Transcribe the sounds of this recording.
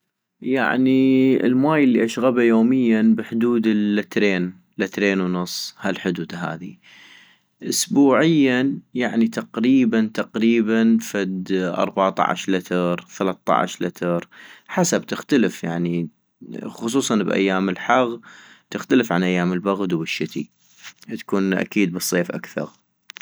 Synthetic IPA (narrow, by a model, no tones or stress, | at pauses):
ja̰ʕniə̰lmaːjəlːiʔaʃɣabajoːmɪjːanbəħʊd̪uːd̪əlːɪt̪ɾeːn | lɪt̪ɾeːnwnʊsˤːhalħʊd̪uːd̪ɦa̰ːði | ʔʊsbuːʕɪjːajaʕnit̪aqɾiːbant̪aqɾiːbanfad̪ʔɑ̰ɾˤbaʕt̪ˤɑ̰ʕa̰ʃlɪt̪ɨɾˤθalat̪ːɑ̰ʕ̰ʃlɪt̪ʰɨɾˤħasab̚t̪ɪxt̪alɪfjaʕni | xʊsˤuːsˤɑnbʔa̰jːaːmɪlħɑɣ | t̪ɪxt̪alɪfʕanʔajːaːməlbaɣd̪wbɪʃːɪt̪ḭ | t̪ḁkuːnʔa̰kiːd̪̚bɨsˤːeːfʔa̰kθɑ̰ɾˤ